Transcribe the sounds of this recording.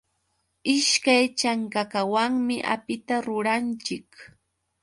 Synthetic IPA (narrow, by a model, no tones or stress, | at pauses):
ɪʃkajt͡ʃaŋkakawaŋmɪʔa̰pɪt̪aɾʊɾant͡ʃɪk